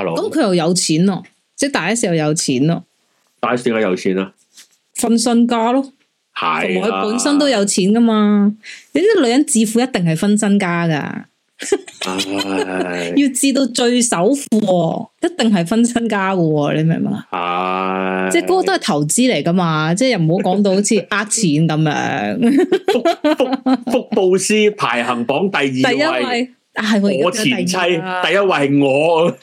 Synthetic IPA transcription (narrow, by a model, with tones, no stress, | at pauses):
kɐ˦˥mkʰɵ˨˧jɐ˨wjɐ˨˧wt͡sʰiː˨˥nlɔ˧ | t͡sɛː˥t̪aː˨jɐ˥siː˨˩jɐ˨˩wjɐ˨˧wt͡sʰiː˨˥nɔ̰˧ | t̪aː˨jɐ˥si˧ŋkaː˧˥jɐ˨˧wt͡sʰiː˨˥na˧ | fɐ˥nsɵ˥nkaː˥lɔ˥ | hɐ̰˨ʊ˨m˨kʰɵ˨˧puː˨˥nsɐ˥nt̪o˥wjɐ˨˧wt͡sʰiː˨˥nkɐ˥maː˧t̪e˨˥ni˥lɵ˨˧ɥjɐ˨˥nt͡siː˧fuː˨˧jɐ˥t̚t̪ɪ˨ŋɦɐ˨˩jfɐ˥nsɐ˥nkaː˥kɐ̰ː˧ | ji˧wt͡siː˧t̪o˧wt͡ʃɵ˧ɥsɐ˨˥wfuː˧ɔ˧jɐ˥t̚t̪ɪ˨ŋɦɐ˨jfɐ˥nsɐ˥nkaː˥kɔ˧lḛ˨˧jmɛ̰˨˩mɛ̰˨˩ŋɐ̰˧˨˧ | t͡sɛː˥˩kɔː˨˦˥kɔː˧t̪o˥hɐ˨˩jt̪ʰɐ˨˩wt͡siː˥le˨˩jkɐ˥maː˧t͡sɛː˥˩jɐ˨˩m̩˨˩ho˨˥wkɔː˨˥ŋt̪o˧who˨˥wt͡sʰiː˧ʔaː˧k̚t͡sʰiː˨˩nkɐ˨˥mjœ̰ː˧˥ŋ˥ | ffʊ˥k̚po˧wsiː˥pʰa̰ː˨˩jhɐ˨˩ŋfɔː˨˥ŋt̪ɐ˨jiːt̪ɐ˨jjɐ˥ɐ˨wwɐ˨˧j | ʔaː˧ɦɐ˨jwɔː˧jt͡sʰiː˨˩˨t͡sʰɐ˥jt̪ɐ˨jɐ˥t̚wɐ˧jŋɔː˨˧